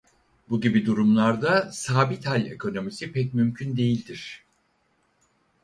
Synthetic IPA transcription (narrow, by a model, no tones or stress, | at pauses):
buɟibid̪uɾumlˠaɾd̪asaːbit̪halʲe̞̰kʰo̞no̞misipʰɛc̚mymcʰynd̪e̞jilʲd̪iɾ̥